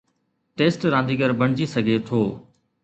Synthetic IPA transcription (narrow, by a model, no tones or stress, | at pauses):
ʈeːsʈɾãːnd̪iːɡəɾbəɳ̤̃d͡ʑisəɡʱet̪ʰoː